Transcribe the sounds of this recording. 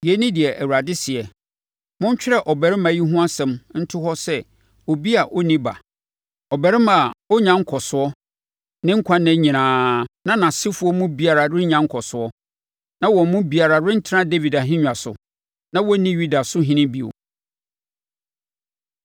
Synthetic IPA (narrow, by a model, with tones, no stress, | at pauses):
jɛ˨˦nĩ˦dɪ˨ɛ˨ʔæ˨wu˨ɾa˨dɪ˦sɪ˨ɛ˨ | mʊ̃˦ɲ˦t͡ɕᶣɪ˦ɾɛ˦˨ʔɔ˨bɛ˨ɾɪ˦mã˨˦ji˦ɦʊ̃˦a˦sɛ̃˨mn̩˦tʰʊ˦ɦɔ˦sɛ˦ | o˨bi˦a˨ʔɔ˦nĩ˦ba̰˨ | ɔ˨bɛ˨ɾɪ˦mã˨ɔ˦ɲã˦ŋ̩˦kʰɔ˨sʊ˦ɔ˦ | nɪ̃˦ŋ̩˦kʷʰã˦nɪ̃˦ɲĩ˨nãː˨˦nã˦nã˨sɪ˦fʊ˨˦ɔ˦mũ˦bi˨a˨ɾa˨ɾɪ˦ɲã˨ŋ̩˦kʰɔ˨sʊ˨ɔ˦ | nã˦wɔ̃˨m˦mʊ̃˦bi˨a˨ɾa˨ɾɪ̃˦n̩˦tʰɪ˦ɾã˦de˦vi˨da˨ɦɪ̃˦ɲᶣã˨sʊ̰˨ | nã˦wɔ˦nĩ˦ɥi˦da˨sʊ˦ɦĩ˦nɪ̃˦bi˨o̰˨